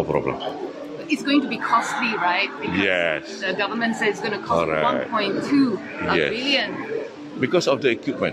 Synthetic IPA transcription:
pɾɔ̰blə̰̃m | ɪtsɡoɪ̃ŋtubikʰɔstliɹaɪt̚bikjɛsdəɡavəmə̃ntsɛdɪsɡõnukʰɔɹawãpʰɔ̃ɪ̃ntʰu | jɛ̰bsiljə̃n | bikɔsɔfdəɛkwip̚mə̰̃n

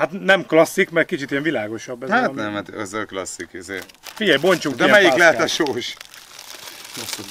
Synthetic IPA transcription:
hat̪nɛmklɒsːikmɛr̚kit͡ʃit̪ijɛɱvilaːɡo̞ʃɒbːɛzhat̪nɛmhat̪ɛzːɛlklɒ̰sːikizeː | fiɟɛjbo̞ɲt͡ʃukːd̪ɛimɛjiklɛɦɛt̪ɒʃoːʃ | lɔs

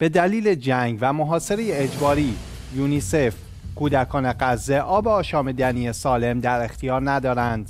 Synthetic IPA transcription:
b̥e̞d̪æliːle̞d͡ʒæŋɡvæmoɦɒːse̞ɾe̞jeːd͡ʒbɒːɾiː | juːnisef | kʰuːd̪ækʰɒːne̞ɢæzːe̞ʔɒːbeɒːʃɒːmed̪ænije̞sɒːle̞md̪æɾe̞xt̪ʰijɒːɾnæd̪ɒːɾænd̪̥

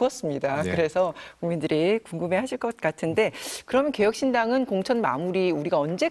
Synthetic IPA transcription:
ʌs͈ɯmɲidakɯɾe̞sʰʌkuŋmindɯɾikuŋɡɯme̞ɦaɕʰiɭk͈ʌt̚k͈atʰɯnde̞kɯɾʌmjʌnke̞jʌk̚ɕ͈indaŋɯnkoŋt͡ɕʰʌnma̰muɾiuɾiɡaʌnd͡ʑe̞

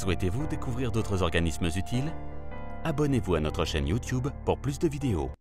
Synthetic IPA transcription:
swɛt̪evud̪ekuvʁiʁd̪ot̪χəzɔʁɡanisməzyt̪ʰil | abɔnevuanɔt̪χəʃɛ̰njut̪jubpuʁplys̬d̪əvid̪eo̰

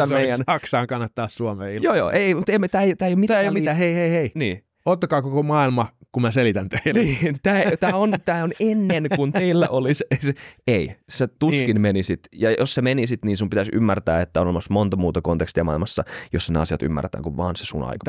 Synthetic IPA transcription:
æmeijænɑksɑːŋkɑnːɑt̪ːɑːssuomeːijoːjo̰ːʔeimut̪eimt̪æːejot̪æːjomit̪æjomiæːheiheiheiniː | ot̪ːɑkɑːkokomɑilmɑkummæselit̪ænt̪einiːt̪æːt̪æːont̪æːonenːenkunt̪eilːæ̰ʔoliseseeiset̪uskinmenisit̪jɑjossemenisit̪niːnsumpit̪æsy̰mːært̪æ̰ːet̪ːæonolemɑsmont̪ɑmuːt̪ɑkont̪ekst̪iɑmɑ̰ˑilmɑsːɑ̰josːɑnḛɑ̰siɑt̪y̰mːæ̰rt̪æ̰ːŋkuʋʋɑ̰ːnse̥sṵnɑ̰ikɑ̥

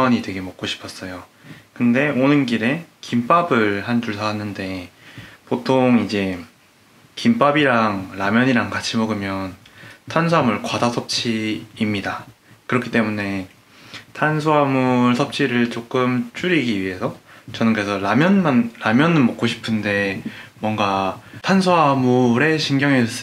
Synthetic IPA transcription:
ɲidweɡe̞mʌk͈̚oɕʰi̥pʰʌs͈ʌjo | kɯnde̞onɯnɡiɾe̞kimp͈abɯɭhanduɭsʰaɦanːɯnde̞ | potʰoŋid͡ʑe̞ | kimp͈abiɾaŋɾamjʌɲiɾaŋkat͡ɕʰimʌɡɯmjʌntʰansʰuamɯɭkwadasʰʌp̚t͡ɕʰiːmɲida | kɯɾʌkʰi̥t͈e̞mune̞ | tʰansʰuɦamuɭsʰʌp̚t͡ɕʰiɾɯɭt͡ɕ͈ok͈ɯmt͡ɕ͈uɾiɡiɥiɦe̞sʰʌt͡ɕʌnɯnkɯɾesʰʌɾamjʌnmanːamjʌnɯɭmʌk͈oɕʰi̥pʰɯnde̞mwʌŋɡatʰansʰoamoɾe̞ɕʰinɡjʌŋeʌs͈

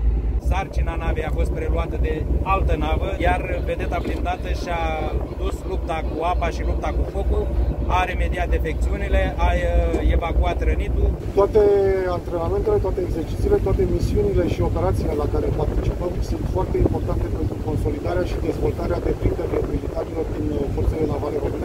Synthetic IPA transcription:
sart͡ʃinanavejafo̞st̪̚pɾe̞luat̪əd̪e̞alt̪ənavəjarve̞d̪e̞t̪ablind̪at̪əʃiad̪uslup̚t̪akuapaʃilup̚t̪akufo̞kuaɾeme̞d̪iat̪̚d̪efek̚t̪siunile̞aje̞vakuat̪ɾənit̪u | t̪oat̪e̞ant̪ɾe̞name̞nt̪e̞le̞t̪oat̪eːɡsert͡ʃit̪siːle̞t̪owat̪e̞misiunile̞ʃio̞pe̞ɾat̪sile̞lakaɾe̞part̪it͡ʃipəmsunt̪foart̪e̞impo̞rt̪ant̪e̞pe̞nt̪ɾuko̞nso̞lid̪aɾeaʃid̪e̞zvo̞lt̪aɾead̪e̞pɾind̪eɾeilit̪aɾilo̞rd̪info̞rt̪sed̪enavaleɾo̞mɨne̞

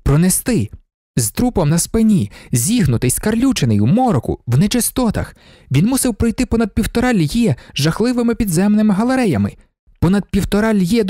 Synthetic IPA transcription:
pɾɔnest̪ɪ | zt̪ɾupɔmnɐspɪnʲizʲiɦnʊt̪ɪjskɐrlʲut͡ʃenejumɔɾɔkʊ̰wnet͡ʃɪst̪ɔt̪ɐ̰x | ʋʲinmusɪwpɾɔjt̪ɪpɔnɐd̪̚pʲiwt̪ɔɾɑlʲjɛʒɐxlˠɪʋɪmɪpʲid̪zɛmnɪmɪɦɐlˠeɾɛjɐmɪ | pɔnɐd̪̚pʲiwt̪ɔɾɑlʲjɛd̪

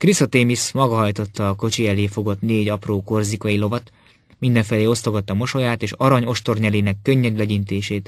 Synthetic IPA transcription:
krisɒt̪eːmismɒɡɒɦɒjt̪o̞t̪ːɒːko̞t͡ʃiɛleːfo̞ɡo̞t̪neːɟɒproːko̞rzikɒjilo̞vɒt̪ | mind̪ɛɱfɛleːo̞st̪o̞ɡɒt̪ːɒmo̞ʃo̞jaːt̪eːʃɒɾɒɲo̞ʃt̪o̞rɲɛleːnɛkːø̞ɲːɛd̪lɛɟint̪eːʃeːt̪

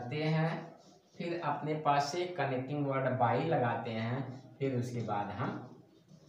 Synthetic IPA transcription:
t̪eɦɛ̃ | pʰɪɾɐpnepaːsːekɐnek̚ʈɪ̃ŋɡʋəɾɖbaːilɐɡaːt̪eɦɛ̃pʰɪɾʊskebaːd̪ɦɐm

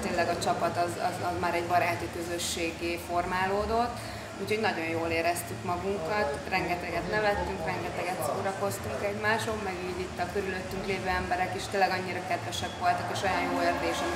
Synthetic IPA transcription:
t̪eːnlːɛɡɒt͡ʃɒpɒt̪ɒzɒ̰zɒzmaːɾɛɟbɒɾaːt̪ikøzø̞ʃːeːɡeːfo̞rmaːloːd̪o̞t̪ː | uːcho̞ɟnɒɟo̞njoːleːɾɛst̪ykmɒɡuŋkɒt̪rɛŋɡɛt̪ɛɡɛt̪nɛvɛt̪ːyŋkrɛŋɡɛt̪ɛɡɛt̪soːɾɒko̞st̪uŋkɛɟmaːʃot̪mɛɡiːɟit̪ːɒkøɾyløt̪ːyŋkleːvøːɛmbɛɾɛkiʃt̪eːlːɛɡɒɲːiɾɒkɛd̪ʋɛʃɛkʋo̞lt̪ɒkeːʃojɒnjoːeːrd̪eːʃɛm

